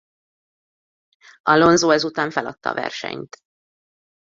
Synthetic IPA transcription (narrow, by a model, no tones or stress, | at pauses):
ʔɒlo̞nzoːɛzut̪aːɱfɛlɒt̪ːɒ̰ːvɛ̰rʃɛ̰ɲt̪